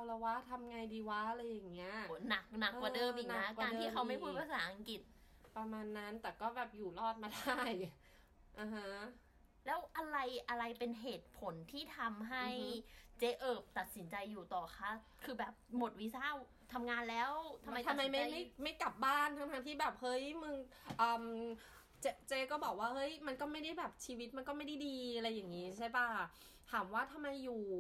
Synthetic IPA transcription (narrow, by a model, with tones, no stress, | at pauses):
a˧lɛ˧˥waː˦˥˩t̪ʰa˧mŋa˧jdiː˧wa˦˥˧la˧jːa˨˩ŋːi˦˥ɐna˨˩k̚na˨˩kːwaː˨dɤː˧mʔiː˨k̚na˨˦˥kaː˧nt̪ʰiː˥˩kʰa˦˥wma˥˩jkʰu˥˩waː˧saː˩˦ʔa˧ŋki˨˩t̪̚ | pɾa˧maː˧nːa˦˥nt̪ɛː˨˩kɔː˥˩bɛː˨˩p̚juː˨˩lɔː˥˩t̪̚maː˧da˥˩j | ʔa˧˩ɦa˦˥ | lɛː˦˥wʔa˧ɾa˧jʔa˧ɾa˧jpe˧nɦeː˨˩t̪̚pʰo˩˦nt̪ʰiː˥˩t̪ʰa˧mɦa˥˩jt͡ɕeː˦˧˥ʔɤː˨˩p̚t̪a˨˩t̪̚si˩˦nt͡ɕa˧jːuː˨˩t̪ɔː˨˩xʰa˦˥˩ | kʰɯː˧bɛː˨˩p̚mo˨˩t̪̚wi˦˥saː˥˩w | t̪ʰa˧mŋaː˧nlɛː˦˥wt̪ʰa˧mːa˧j̪ʰma˧jma˥˩a˥˩jma˥˩jka˨˩p̚baː˥˩nt̪ʰa˧mŋaː˧nt̪ʰiː˥˩bɛː˨˩p̚hɤ˦˥jmɯ˧ŋʔɤː˨˩m | t͡ɕe˧˥t͡ɕeː˧˥kɔː˥˩bɔː˨˩k̚waː˥˩hɤ˦˥jma˧nkɔː˥˩ma˥˩jda˥˩jbɛː˨˩p̚t͡ɕʰiː˧wi˦˥t̪̚ma˧nkɔː˥˩ma˥˩jda˥˩jdiː˧ʔa˧ɾa˧jːaː˨˩ŋiː˦˥t͡ɕʰa˥˩jpa˥˩ | t̪ʰaː˩˦mwaː˥˩t̪ʰa˧mːa˧jːuː˨˩